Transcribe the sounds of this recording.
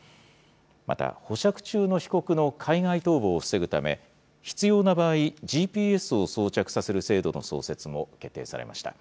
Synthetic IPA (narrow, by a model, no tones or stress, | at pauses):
mʔa̰t̪a̰ho̞ɕakɯ̟̥t͡ɕɨːno̞çi̥ko̞kɯ̟no̞kʰaiŋait̪o̞ːbo̞ːsɨ̥se̞ɡɯ̟t̪a̰me̞̰ | çi̥t͡sɨjo̞ːnabaːiʑiːpʲiːe̞sɨo̞so̞ːt͡ɕakɯ̟̥sase̞ɾɯ̟se̞ːd̪o̞no̞̰so̞̰ːse̞t͡sɨmo̞ke̞t̪ːe̞̰ːsa̰ɾe̞̰ma̰ɕi̥t̪a̰